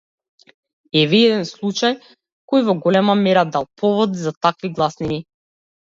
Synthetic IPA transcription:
ɛviɛd̪ɛnslˠut͡ʃaj | kɔjvɔɡɔlɛmamɛɾad̪alˠpʰɔvɔd̪zat̪akviɡlˠasnini

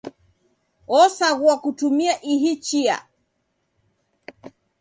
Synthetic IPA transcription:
ɔsaɣuakutumiaʔiɦit͡ʃia̰

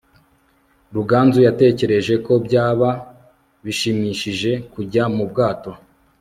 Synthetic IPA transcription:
ɾuɡaːnzujate̞ːce̞ɾe̞ʒe̞ko̞bɟaːβa | βiʃimiʃiʒe̞kuɟamub̚ɡaːto̞

